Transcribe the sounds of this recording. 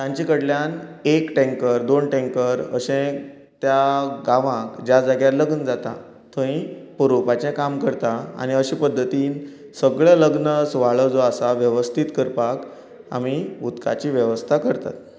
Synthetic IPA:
t̪jãɲt͡ɕikəɽljanekʈẽŋkəɾd̪onʈẽŋkəɾə̰ɕẽ | t̪jaɡãʋãkd͡ʑjad͡zaɡjaɾləɡənd͡zat̪a̰ | t̪ʰə̃ĩpəɾopat͡ɕɛ̃kamkəɾt̪aa̰ɽ̃iəɕĩpəd̪ʱːət̪iːn | səɡɭaləɡnəsʋaɭəd͡zoasaʋjəʋəst̪ʰit̪kəɾpak | a̰miut̪ka̰t͡ɕiʋjəʋəst̪ʰakəɾt̪a̰t̪

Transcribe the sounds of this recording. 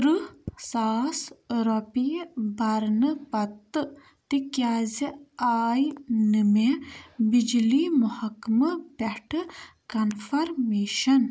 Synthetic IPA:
ɾɨsaːsɾopibɐɾnəpɐt̪ːɨ | t̪ikjaːziaːjnɨmebid͡ʒlimuhɐkmɐpeʈɨkɐnfɐɾmeːʃɐn

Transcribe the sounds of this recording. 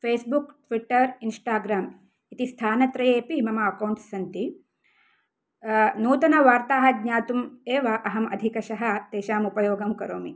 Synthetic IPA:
fʰeːsbukʈʋiʈːɐɾinsʈaːɡɾaːm | it̪ist̪ʰaːnɐt̪ɾɐjeːpimɐmɐːkɐwɳʈsɐnt̪i | nuːt̪ɐnɐʋaːɾt̪aːɦɐdɲaːt̪umeːʋɐʔɐɦɐmɐ̰d̪ʱikɐʃɐɦɐt̪eːʃaːmupɐjoːɡɐmkɐɾoːmi

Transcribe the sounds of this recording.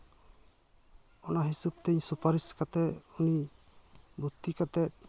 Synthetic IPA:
ɔnaɦisub̚t̪ɛɲsupaɾiskat̪ɛuni | but̪ːikat̪ɛt̚

